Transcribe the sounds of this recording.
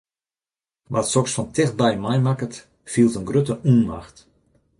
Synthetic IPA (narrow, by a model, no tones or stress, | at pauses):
ʋʔatsɔksfɔntʰɪx̚bɛjmajmakət | fiəlˠtənɡrøtəʔunma̰xt